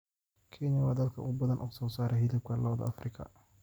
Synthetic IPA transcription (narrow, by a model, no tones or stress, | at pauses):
kʰɪnɐwɑːd̪ɐd̪̚kʰɐʔʊ̰ɣʊbɐðɐnʔʊ̰ːɣsɔːsaːɾɛɦɪðɪb̚kʰɐlɐwd̪ɐ̰ʔɐ̰frɪkʰɐ̰